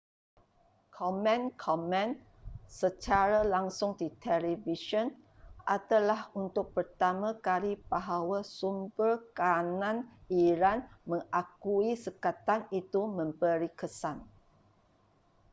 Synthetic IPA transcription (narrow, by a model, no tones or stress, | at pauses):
kʰɔmɛ̃nkʰɔmɛ̃n | sət͡ʃaɾalaŋsʊŋdit̪ʰɛliviʃɔn | ʔadalahunt̪ʊk̚pərt̪amãkalibaɦawasumbərkanãniɾanmə̃ŋʔakuisəkat̪anit̪umə̃mbəɾikəsan